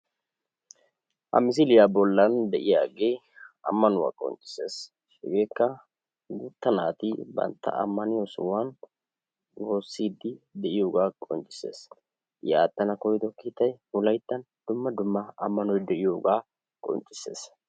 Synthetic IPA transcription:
ʔɐ̰mɪs̬ɪlɪjaːbɔlːɐnd̪ɛʔɪjaːɡeː | ɐ̰mːɐnʊwa̰ːkʼɔ̰nt͡ʃʼːɪ̥se̞ːs | ɛɡe̞ːkːɐ | ɡʊt̪ːɐnaːt̪ibɐ̰nt̪ːɐ̰ʔɐ̰mːɐnɪjosʊ̰wan | wo̞ːsːiːd̪ːɪd̪ɛʔɪjo̞ːɡaːkʼɔnt͡ʃʼːɪ̥se̞̰ːs | jaːt̪ʼːɐnɐkɔjd̪ɔkiːt̪ːɐjhʊlɐjt̪ːɐn | d̪̥ʊmːɐd̪ʊmːɐɐmːɐnɔjd̪ɛʔɪjoːɡaː | kʼɔ̰nt͡ʃʼːɪ̥se̞̰ːs

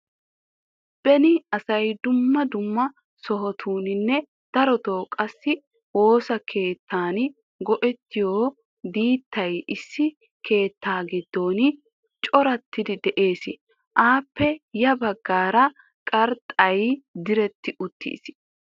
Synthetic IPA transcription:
b̥ɛnɪɐsɐjd̪ʊmːɐd̪ʊmːɐ | sɔɦɔt̪ʰuːnɪnːɛ | d̪̥ɐɾɔt̪oːkʼɐsːɪ | wo̞ːsɐkʰe̞ːt̪ːaːn | ɡɔʔɛt̪ːɪjoː | b̪iːt̪ːɐjɪsːɪ | kʰe̞ːt̪ːaːɡɪd̪ːo̞ːn | t͡ʃʼɔɾɐt̪ːɪd̪ɪd̪ɛʔe̞ːsɪ | ʔaːpːɛjɐbɐɡːaːɾɐ | kʼɐɾt̪ʼɐjd̪ɪɾɛt̪ːɪʔʊt̪ːḭːs

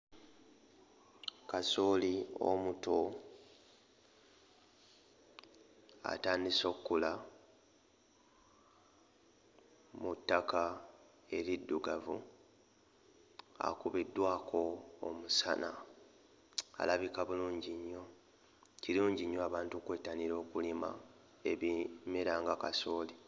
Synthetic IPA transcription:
kasolio̞̰muto | a̰taːndiso̞ːkːula | mutːaka | e̞ɾidːuɡavu | a̰kuβidːwaːkʰo̞ːmusa̰na̰ | a̰laβikaβuluːɲɟiɲːo̞ | ciluːɲɟiɲːoaβaːntukweːtːaniɾo̞ːkulima̰ | eβime̞ɾaːŋɡaka̰soːli

